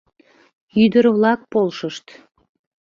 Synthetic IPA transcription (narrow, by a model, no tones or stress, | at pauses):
yd̪əɾβlɑk̚polʃəʃt̪